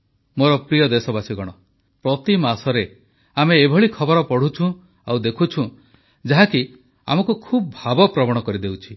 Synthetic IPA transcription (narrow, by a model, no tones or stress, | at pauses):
moɾɔpɾijɔd̪esɔbasiɡɔɽ̃ɔ | pɾɔt̪imasɔɾe | ameːbʱɔɭikʰɔbɔɾɔpɔɽ̤ut͡ʃʰũ | awd̪ekʰut͡ʃʰũ | d͡ʒaɦaki | a̰mɔkukʰubɔbʱabɔpɾɔbɔɽ̃ɔkɔɾid̪ewt͡ʃʰi̥